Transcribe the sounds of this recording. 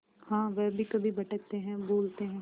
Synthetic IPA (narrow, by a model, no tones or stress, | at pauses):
hãːʋɛbʱikɐbʱibɐʈək̚t̪eɦɛ̃boːlt̪eɦɛ̃